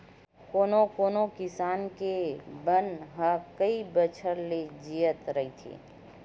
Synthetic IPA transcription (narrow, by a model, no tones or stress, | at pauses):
koːnokoːnokɪsaːnkebənɦəkəibət͡ʃʰəɾled͡ʒijət̪ɾəɦit̪ʰḭ